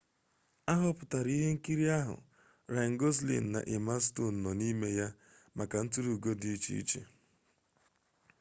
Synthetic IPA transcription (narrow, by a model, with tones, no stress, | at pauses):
a˦ɦʊ˦pʊ˨ta˨ɾi˦ɦe˦ŋ̩˦ki˦ɾi˦a˦ɦʊ̰˨ | ɾa˨ŋ̩˦ɡo˦zlḭ˨n̩˨na̰˨ʔɪ˨ma˦sto˦˨n̩˨nɔ˨ni˦me˦ja˦ | ma˨ka˨n̩˦tu˦ɾu˨ɡo˦di˨˦i˦t͡ʃḭ˦ḭ˦t͡ʃḛ˨